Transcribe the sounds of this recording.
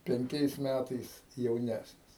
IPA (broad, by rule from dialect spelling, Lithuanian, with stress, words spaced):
pʲɛŋʲˈkʲɛɪs ˈmʲætɐɪs jɛʊˈnʲæsʲnʲɪs